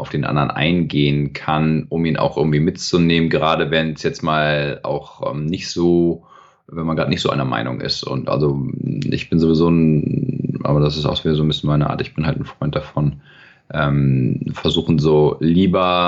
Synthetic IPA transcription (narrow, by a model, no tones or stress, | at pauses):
ʔaʊfd̥eːnʔa̰ndɐənʔa̰ɪnɡeːənkʰanʔʊmiːna̰ʊxʔɪɐɡŋ̩tv̥iːmɪtt͡suneːmənɡəʁaːdəvɛnsjɛt͡stmaːlʔa̰ʊxʔɛ̰ːmnɪçtz̥oː | vɛnmanɡʁaːtənɪçtz̥oʔa̰ɪnɐma̰ɪnʊ̰ŋʔɪ̰stʊ̰ntʔa̰lzoʔɪ̰çb̥ɪnzovizoːn | ʔa̰ːbɐdas̬ɪsta̰ʊxviːdɐzoːnbɪsçjənmaɪnəʔa̰ːtɪçb̥ɪnhaltn̩fʁ̥ɔʏnt̚d̥afɔn | ʔɛːmfɛɐzuːxn̩zoːliːbɐ